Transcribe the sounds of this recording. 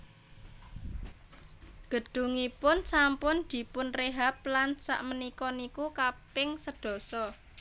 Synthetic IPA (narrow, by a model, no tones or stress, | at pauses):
ɡ̥ə̤ɖ̥ṳŋipʊnsampʊnd̪̥i̤pʊnreɦap̚lansa̰ʔmənikɔnikukapɪŋsəɖ̥ɔ̤sɔ